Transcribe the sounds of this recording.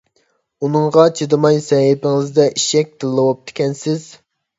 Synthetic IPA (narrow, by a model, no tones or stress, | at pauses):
unɨŋʁɑt͡ʃʰid̪ɨmɑjsɛɦɪpɪŋɪzd̪ɛʔiʃɛk̚ʲd̪̥ɨlˠːɨwop̚t̪ʰɪ̥kʲɛnsɪz̥